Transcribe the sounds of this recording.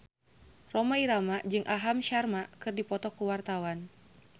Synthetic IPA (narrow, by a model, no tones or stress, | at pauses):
rɔmaiɾamaʔd͡ʒɨŋʔaɦamʃarmakɨrdipɔt̪ɔkuwart̪awan